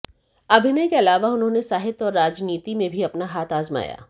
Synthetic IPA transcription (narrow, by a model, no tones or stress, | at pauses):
ɐbʱɪnekeɐlaːʋaʊnɦõːnesaːɦɪt̪ɔːɾːaːd͡ʒniːt̪imẽbʱiɐpnaɦaːt̪ʰaːzma̰ːja̰ː